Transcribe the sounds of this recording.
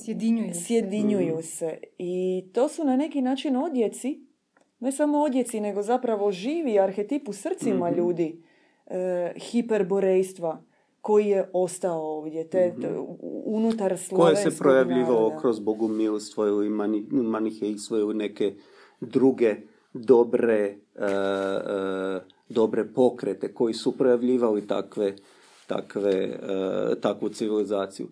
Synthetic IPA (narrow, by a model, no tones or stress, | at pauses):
sjed̪iɲujsje̞d̪iɲujuseit̪o̞ːsunane̞kinaːt͡ʃino̞d̪je̞t̪si | ne̞samo̞od̪je̞t̪sine̞ɡo̞zapɾaʋo̞ʒiːʋiaɾxe̞t̪ipusr̩t̪simaʎuːd̪i | xipe̞ɾbo̞ɾejst̪ʋa | ko̞jije̞ʔost̪aooːʋd̪je̞t̪e | unut̪aɾslkojessepɾo̞jaʋʎiːʋalokɾozboɡumilst̪ʋojuimanimanixjeist̪ʋojilone̞ke̞ | d̪ɾuɡe̞ | d̪o̞bɾe̞ | d̪o̞bɾe̞po̞kɾet̪e̞ko̞jisupɾo̞jaʋʎiːʋalit̪a̰kʋe | t̪a̰kʋḛ | t̪akʋut̪siʋilizaːt̪sijṵ